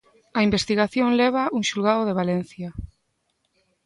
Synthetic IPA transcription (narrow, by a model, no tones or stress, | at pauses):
aimbest̪iɣaθjoŋleβ̞auŋʃulɣaoð̞eβalen̟θja